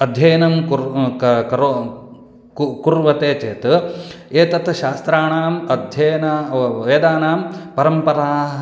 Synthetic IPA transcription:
ɐd̪ʱjɐjɐnɐmkuɾkɐɾ | kkuɾʋɐt̪eːt͡ʃeːt̪eːt̪ɐt̪ʃaːst̪ɾaːɳaːmɐd̪ʱjɐjnaːʋeːd̪aːnaːmpɐɾɐmpɐɾaːɦ

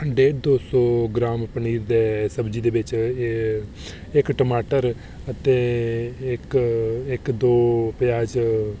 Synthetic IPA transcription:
əɳɖeːɖd̪oːsɔːɡɾaːmpəɳ̃iːɾd̪eːsəbd͡ʒiːd̪eːbɪt͡ʃ | ekʈəmaːʈəɾ | ət̪e | ɪkɪkd̪oːpjaːd͡ʒ

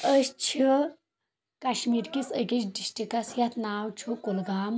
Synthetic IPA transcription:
əst͡ʃʰi | kaɕmiɾkisəɡit͡ʃɖisʈikasjat̪ʰnawt͡ʃʰukolɡam

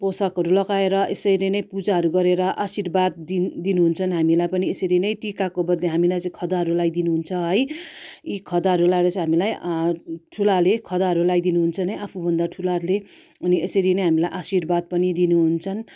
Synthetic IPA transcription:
posʌkɦʌɾulʌɡaeɾʌʔesʌjlʌjnʌjpud͡zaɦʌɾuɡʌɾeɾʌʔasirbad̪̚d̪inuɦunt͡sʰʌnɦamilajpʌniesʌɾinʌj̃ʈikakobʌd̪leɦamilajt͡sʌ̃ĩkʰʌd̪aɦʌɾulajd̪inuɦunt͡sʰʌɦʌjikʰʌd̪aɦʌɾulaeɾʌt͡sʌjɦamilaj | ʈʰulalekʰʌd̪aɦʌɾulajd̪inuɦunt͡sʰʌnʌjʔapʰubʱʌnd̪aʈʰulaɾle | ʌniʔesʌɾinʌjɦamilajʔasirbad̪̚pʌnid̪inuɦunt͡sʰʌn

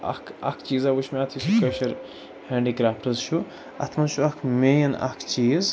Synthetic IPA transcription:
ɐ̰kʰɐ̰kʰt͡ʃiːzɐʋuʃmat̪ʰisʰukɐʃɐɾ | heːɳɖiɡɾaːpʈɐzt͡ʃʰu | ɐ̰t̪ʰmɐnt͡ʃʰuɐkʰmeːjɐnɐ̰kʰt͡ʃiːz

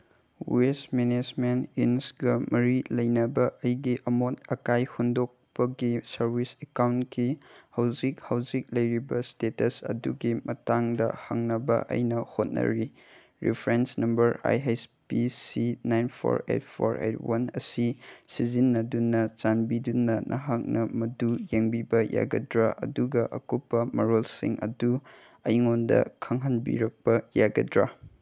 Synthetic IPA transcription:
wesmened͡ʒmeninsɡɐmʔɐɾilɐjnɐbɐʔɐjɡiʔɐmotɐkajhundok̚pɐɡisɐɾbʱisekawnkihɐwd͡ʒikhɐwd͡ʒik̚lɐjɾibɐstetɐsɐ̰duɡimɐtaŋdɐ̰hɐ̰ŋnɐbɐ̰ʔɐ̰jnɐhot̚nɐ̰ɾi | ɾḭpʰɾensnɐmbɐɾa̰jespisinajnpʰo̰ɾḛt̚pʰoɾḛt̚ʰwɐnɐsisizinːɐdunːɐt͡ʃanbidunːɐnʔɐɦak̚nɐmɐdujeŋbibɐja̰ɡɐdɾaʔɐ̰duɡɐʔɐkopːɐmɐɾolsḭŋɐ̰du | ɐjŋondɐ̰kʰɐŋɦɐnbḭɾɐk̚pɐjaɡɐdɾa

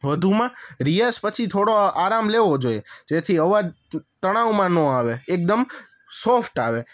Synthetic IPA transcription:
ʋəd̪ʱumãɾijəspət͡ʃʰit̪ʰoɽoaɾamleʋod͡ʒoied͡ʒet̪ʰiəʋa | t̪əɽ̃aʋmãnɔ̃aʋeːk̚d̪əm | sofʈaʋe

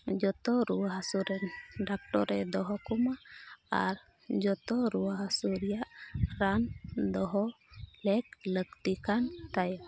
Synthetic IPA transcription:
d͡ʒɔt̪ɔɾuwaɦasuɾɛnɖak̚ʈɔɾɛd̪ɔɦɔkɔmaa̰ɾ | d͡ʒɔt̪ɔɾuwaɦasuɾɛjaʔɾand̪ɔɦɔ | lɛk̚ləkt̪ikant̪aja

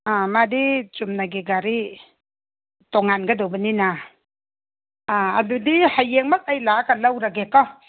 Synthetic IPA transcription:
amadit͡ʃumnaɡeɡaɾi | tɔŋanɡadɔwbanina | aadudihajːeŋmak̚ajlakalawɾaɡekɔ

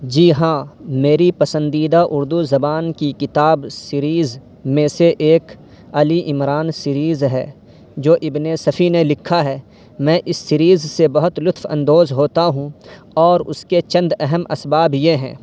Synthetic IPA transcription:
d͡ʒiːɦãːmeːɾipɐsə̃nd̪iːd̪aʔʊɾd̪uzɐbaːnkikɪt̪aːbsɪɾiːz | mẽseʔeːk | ɐliʔɪmɾaːnsɪɾiːzɦɛ̰ː | d͡ʒoːʔɪbnesɐfʰinelɪkʰːaɦɛː | mɛ̃ːʔɪsːɪɾiːzsebɐɦʊt̪lʊt̪fɐ̰̃nd̪oːzɦoːt̪aɦũ | ɔːɾʊ̰sket͡ʃɐ̃nd̪ɛɦɛmɐ̰sbaːbjeɦɛ̰̃ː

